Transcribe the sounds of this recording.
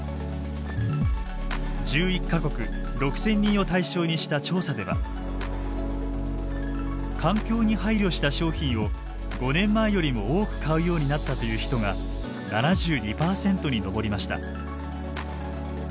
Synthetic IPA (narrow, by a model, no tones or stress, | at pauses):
d͡ʑɨːikːako̞kɯ̟ | ɾo̞kɯ̟̥sẽ̞ɲ̟ːĩɰ̃o̞t̪aiɕo̞ːɲ̟iɕi̥t̪at͡ɕo̞ːsad̪e̞βa̰ | kʰãŋkʲo̞ːɲ̟ihaiɾʲjo̞ɕi̥t̪aɕo̞ːçĩɰ̃o̞ | ɡ̥o̞nẽ̞mːaejo̞ɾʲimo̞oːkɯ̟̥kʰaɯ̟jo̞ːɲ̟inat̪ːat̪o̞jɯ̟ːçi̥t̪o̞ŋa | nanaʑɨːɲ̟ʲipaːsẽ̞nt̪o̞ɲ̟ino̞bo̞ɾʲimaɕi̥t̪a̰